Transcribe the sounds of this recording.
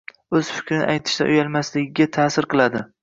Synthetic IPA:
ɵz̥fɪ̥kʲɾɪnɪ̰ʔajt̪ʰɪ̥ʃt̪a̰ʔʊjalˠmaslɪɡʲɪɡʲat̪ʰaːsɪɾqʰɨlˠad̪ɪ

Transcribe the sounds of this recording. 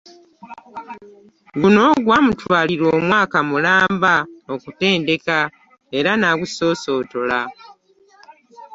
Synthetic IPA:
ɡuno̞ːɡwamutwaːliɾo̞ːmwaːkamulaːmbaokute̞ːnde̞ka | e̞ɾanaɡuso̞ːso̞ːto̞la

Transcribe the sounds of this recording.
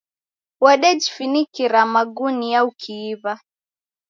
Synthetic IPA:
waɗɛd͡ʒifinikiɾamaɡunijaukʰiːβa

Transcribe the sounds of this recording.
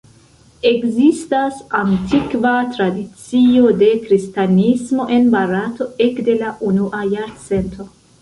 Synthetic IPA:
e̞kzistasantʰikvatɾadit͡sio̞de̞kɾistanismo̞ʔe̞nbaɾato̞ekde̞laʔunuʔajaɾt͡se̞ntʰo̞

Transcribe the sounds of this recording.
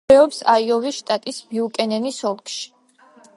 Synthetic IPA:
ɛɔpsaiɔviʃt̪ʼat̪ʼisbiukʼɛnɛnisɔlˠkʼʃi̥

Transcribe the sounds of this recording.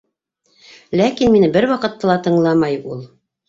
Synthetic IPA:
lækinminɘbɘɾwɑqɤ̆t̪ːɑlˠɑt̪ɤ̆ɴlˠɑmɑjulˠ

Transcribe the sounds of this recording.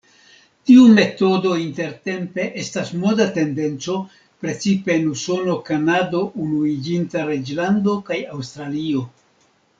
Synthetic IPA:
tiume̞to̞do̞inte̞ɾte̞mpe̞ʔe̞stasmo̞date̞nde̞nt͡so̞ | pɾe̞t͡sipe̞ːnuso̞no̞kanado̞ʔunuid͡ʒintaɾed͡ʒlando̞kajawst̪ɾalio̞

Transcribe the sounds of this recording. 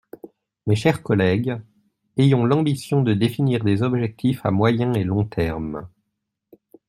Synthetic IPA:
meʃɛʁkɔlɛɡ | ejɔ̃lɑ̃bisjɔ̃d̪əd̪efiniʁd̪ezɔbʒɛk̚t̪ʰifa̰mwajɛ̃elɔ̃t̪ʰɛʁm

